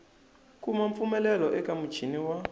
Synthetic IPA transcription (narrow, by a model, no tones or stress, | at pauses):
kumaɱfumɛlɛlɔʔɛkamu̥t͡ʃʰiniwa